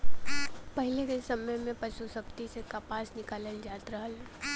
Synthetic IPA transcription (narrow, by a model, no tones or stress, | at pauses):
pɐɦɪlekesɐməjmẽpɐʃusəbt̪isekapaːsnɪkaːleld͡ʒaːt̪ɾəɦəl